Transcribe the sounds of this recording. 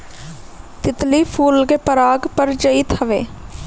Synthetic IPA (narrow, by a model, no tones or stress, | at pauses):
t̪ɪt̪liːpʰuːlɡeːpəɾaːɡpəɾd͡ʒəiːt̪ʰəʋeː